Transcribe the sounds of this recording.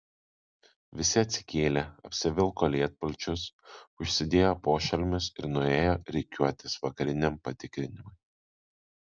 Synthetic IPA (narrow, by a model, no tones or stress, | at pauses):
ʋʲɪsʲɪɐt̪ʲsʲɪ̥kʲeːlʲeːɐpʲsʲɪʋʲɪlˠkoːlʲiɛt̪̚pɐlʲt͡ʃʲʊsʊʃʲsʲɪd̪ʲeːjoːpoːʃʲɛlʲmʲɪsɪɾnʊeːjoːɾʲɛɪkʲuɔt̪ʲɪsʋɐkɐɾʲɪnʲɛmpɐt̪ʲɪkɾʲɪnʲɪmʊɪ